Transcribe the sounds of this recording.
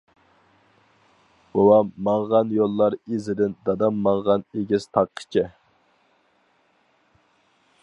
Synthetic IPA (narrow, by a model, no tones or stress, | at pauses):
b̥owɑmɑɴʁɑnjolˠːɑɾezɪd̪ɪnd̪ɑd̪ɑmːɑɴʁɑneɡʲɪzst̪ʰɑqʰːə̥t͡ʃʰɪ